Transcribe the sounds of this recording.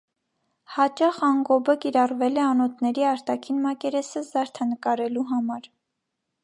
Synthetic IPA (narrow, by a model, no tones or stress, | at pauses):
hɑt͡ʃɑχɑŋɡɔbəkiɾɑrvɛlɛɑnɔt̪nɛɾiɑɾt̪ɑkʰinmɑkɛɾɛsəzɑɾt̪ʰɑnəkɑɾɛluɦɑmɑɾ